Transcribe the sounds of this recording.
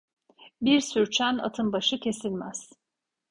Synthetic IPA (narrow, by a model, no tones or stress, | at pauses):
biɾsyɾt͡ʃʰæna̰t̪ʰɯnbaʃɯcʰe̞silʲmæz̥